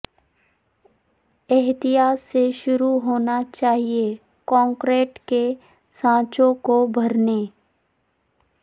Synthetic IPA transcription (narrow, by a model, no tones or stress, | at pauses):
ɛɦt̪ijaːsːeʃʊɾuɦoːnat͡ʃaːɦie | kɔ̃ːŋkɾeːʈke | sãːt͡ʃõkobʱɐɾne